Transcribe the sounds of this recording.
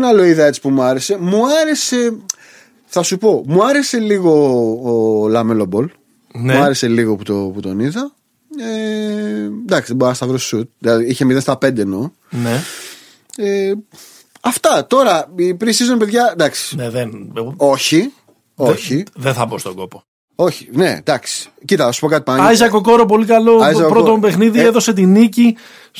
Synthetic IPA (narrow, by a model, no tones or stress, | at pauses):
nɐlo̞iðɐe̞t͡si̥pumuɐɾe̞se̞muɐɾe̞se̞ | θɐsupo̞muɐɾe̞se̞liɣo̞ː | lɐmelo̞bo̞l | nuɐɾe̞se̞liɣoput̪o̞put̪o̞niðɐ | e | d̪ɐksiðeboɾɐst̪ɐvɾossut̪̚ðilɐðiiçemiðest̪ɐpe̞nd̪eno̞ | ne | e | ɐft̪ɐt̪o̞ɾɐipɾisizunpe̞ðʝɐd̪ɐksi̥neðeno̞çi | oçiðenθɐbost̪oɡo̞po | o̞çi̥ne̞̰d̪ɐksi̥ | cit̪ɐɐsu̥po̞kɐt̪i̥pɐnɐizɐko̞ko̞ɾop̬o̞likɐlo̞ɐzɐkopɾot̪obe̞xniðieðo̞se̞t̪̬inici